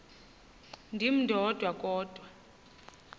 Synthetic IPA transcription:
ndʱim̩dʱɔd̥ʱwakʼɔːd̥ʱwa

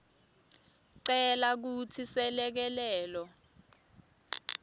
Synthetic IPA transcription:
ǀɛlak̬utʰisɛlɛk̬ɛlɛːlɔ

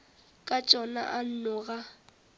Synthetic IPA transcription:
kʼat͡ʃʼɔna̰ʔan̩nʊɣa

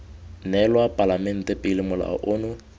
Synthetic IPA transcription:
nɛlwapʼalamɛn̩tʼɛpʼɪlɪmʊla̰ʔʊːnʊ

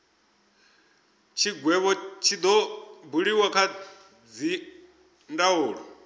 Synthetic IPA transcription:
t͡ʃʰiɡwɛβɔt͡ʃʰid̪ɔbuɺiwakʰa | d͡zi | ndauːɺɔ

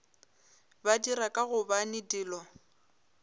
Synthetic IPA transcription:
badiɾakʼaɣʊbanɪdɪːlɔ

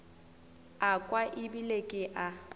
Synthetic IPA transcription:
akʼwaʔɪbilekʼɪʔa

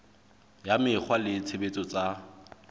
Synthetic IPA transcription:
jamɪk͡xʰwalɪt͡sʰebet͡sʼɔt͡sʼa

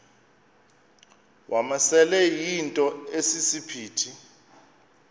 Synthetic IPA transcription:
wʔamasɛlɛjintʼɔesisipʰiːtʰi

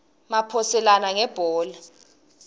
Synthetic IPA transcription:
mapʰɔsɛlanaŋɛb̥ʱɔːlɛ

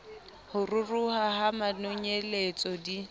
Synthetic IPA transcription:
hʊrʊruhaɦamanʊɲelet͡sʼɔdi

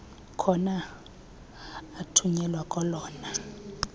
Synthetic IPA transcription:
kʰɔna | tʰuɲɛlwakʼɔlɔːna

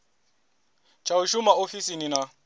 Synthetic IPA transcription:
t͡ʃʰauʃumaofisinina

